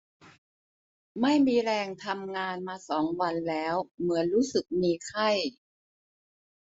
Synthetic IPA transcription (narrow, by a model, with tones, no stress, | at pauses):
ma˥˩jmiː˧ɾɛː˧ŋt̪ʰa˧mŋaː˧nmaː˧sɔː˩˦ŋwa˧nlɛː˦˥wmɯ˩˦ənɾuː˦˥sɯ˨˩k̚miː˧kʰa˥˩j